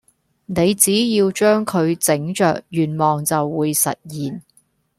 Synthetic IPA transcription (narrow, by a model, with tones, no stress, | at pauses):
ne˨˧jt͡siː˨˥jiː˧wt͡ʃœː˥ŋkʰɵ˨˧ɥt͡sɪ˨˥ŋt͡ʃœ̰ː˨k̚jyː˨˩nmɔː˨˩ŋt͡sɐ˨wːuː˨˧jsɐ̰˨t̚jiː˨˩n